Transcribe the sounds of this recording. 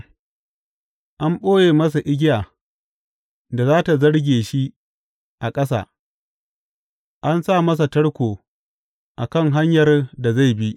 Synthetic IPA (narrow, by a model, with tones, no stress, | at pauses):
ʔa˦mɓoː˦jeː˨mɐ˦s̬a˨ʔɪ˦ɡʲɪ˦jaː˨ | da˨zaː˦ta˨zɐ˦ɽɡʲeː˨ʃi˦ | ʔa˨kʼɐ˦s̬a̰ː˨ | ʔa˦nsa˦˨mɐ˦s̬a˨tɐ˦ɽkʷoː˨ | ʔa̰˨kɐ˦ŋɦa˦ɲjɐ˨rda˨za˦˨jbi˦ʔ